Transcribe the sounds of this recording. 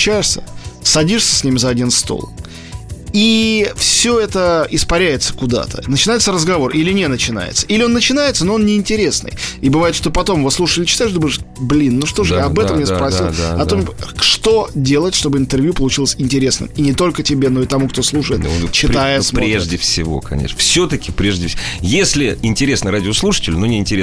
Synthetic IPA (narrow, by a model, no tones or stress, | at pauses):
t͡ɕæjɪʂsʲə̰sɐdʲiʂsʲə̥sʲnʲimʲɪzɐɐdʲinst̪o̰lˠ | ifsʲo̞ɛt̪əɪspɐɾʲæjɪt̪sə̥kʊd̪a̰t̪ʰə̰nət͡ɕɪnajɪt̪səɾəzɡɐvo̞rʔilʲɪnʲenət͡ɕɪna̰jɪ̰t̪səʔilʲɪo̞nːət͡ɕɪnajɪt̪sənoo̞nnʲɪɪnʲtʲɪɾʲe̞snɨ̰jibɨvajɪt̪ʂt̪opɐt̪o̞mvoslˠuʂəɪlʲɪt͡ɕɪ̥t̪aɪʂd̪obmɪʂ | blʲinːuʂt̪o̞ʐɨjaɐbɛt̪əmːjʲespɾɐsʲilˠɐt̪omʂt̪o̞dʲe̞lˠətʲʂt̪o̞bɨɪnt̪ɨrvʲjupəlˠʊt͡ɕilˠəsʲɪnʲtʲɪɾʲe̞snɨ̰minʲɪt̪o̞lʲkətʲɪbʲeno̞ɪt̪ɐmukt̪o̞slˠuʂəjɪt̪t͡ɕɪt̪ajəsmɾɾʲeʐdʲɪfsʲɪ̰vo̞̰kɐ̰nʲḛʂnəfsʲɵt̪əkʲɪpɾʲeʐdʲɪfsʲjesʲlʲɪɪnʲtʲɪɾʲesnəɾadʲɪoslˠuʂɨ̥tʲɪlʲʊnonʲɪɪnʲtʲɪɾʲe